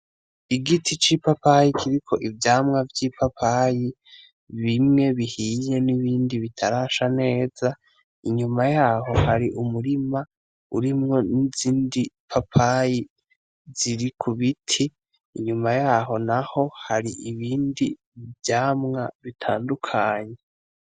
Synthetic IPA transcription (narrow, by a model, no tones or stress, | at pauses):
iɡitʰit͡ʃipapajikʰiɾikʰo̞ʔivjaːmŋavjiːpʰapʰaji | βimŋe̞βihiːje̞niβiːndiβitʰaɾaːʃane̞ːz̥a | iɲumajaːhɦo̞haɾiʔumuɾima | uɾimŋo̞niziːndipʰapʰaji | z̥iɾikʰuβitʰiː | ɲumajaːɦo̞naho̞haɾiʔiβiːndi | vjaːmŋaβitʰaːndukʰaːɲe